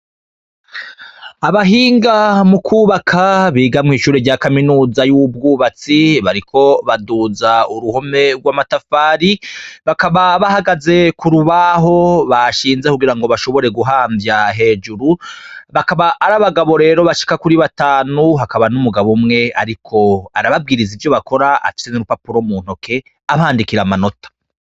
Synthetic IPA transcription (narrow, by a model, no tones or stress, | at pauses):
aβaɦiːŋɡamukʰuːβakʰaβiːɡamŋiːʃuːɾeɟaːkaminuːzajub̚ɡuːβat͡siβaɾikʰo̞βaduːzauɾuhome̞ɾɡwaːmatafaːɾiβakaβaβahaɡaze̞kuɾuβaɦo̞βaʃiːnzekuɡiɾaŋɡo̞βaʃo̞βo̞ɾe̞ɡuɦaːmbjaɦe̞ːd͡ʒuɾuβakaβaʔːɾaβaɡaβo̞ɾe̞ːɾo̞βaʃi̥kakuɾiβataːnuɦakaβanumuɡaβumŋe̞aɾikʰo̞aɾaβab̚ɡiːɾizivjo̞βako̞ɾaa̰fi̥t͡senuɾupapuɾomuːn̥ho̞kʰe̞ | aβaːndikiɾamano̞tḁ